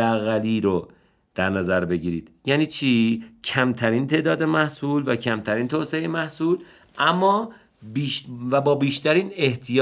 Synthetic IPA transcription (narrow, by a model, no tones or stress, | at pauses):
æɣæliːɾo | d̪̥æɾnæzæɾbe̞ɟiːɾiːd̪̥jæːniːt͡ʃʰiːcʰæmt̪ʰæɾiːnt̪ʰe̞ːʔd̪ɒːd̪e̞mæhsuːlvæcʰæmt̪ʰæɾiːnt̪ʰoːseemæhsuːl | ʔæmːɒː | biʃvæbɒːbiːʃt̪æɾiːne̞ht̪ʰijː